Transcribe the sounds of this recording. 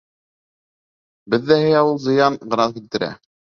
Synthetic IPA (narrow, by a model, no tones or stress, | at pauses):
bɘ̆ðːæhɘjɑwulˠzɤ̆jɑnɢ̆ɾɑnkilt̪ɘ̆ɾæ̰